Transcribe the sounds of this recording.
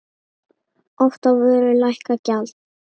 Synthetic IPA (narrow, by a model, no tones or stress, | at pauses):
ɔft̪avʏːɾʏlajhkacalt̪